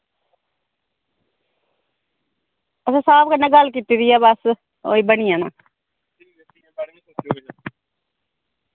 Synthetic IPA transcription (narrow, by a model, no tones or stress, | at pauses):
əsãːsaːbkənãːɡəlkiːt̪iːɾiaːbəs | o̰ːiːbənijãːnãː